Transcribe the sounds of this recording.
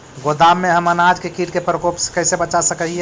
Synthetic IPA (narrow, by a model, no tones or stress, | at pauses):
ɡod̪amːeɦəmənad͡ʒkekiɾkepɾəkopskəɪsebət͡ʃasəkəɦiɛ